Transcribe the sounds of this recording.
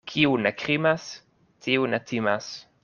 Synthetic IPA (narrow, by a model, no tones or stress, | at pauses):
kʰiunɛkɾimas | t̪ʰiunɛt̪ʰimas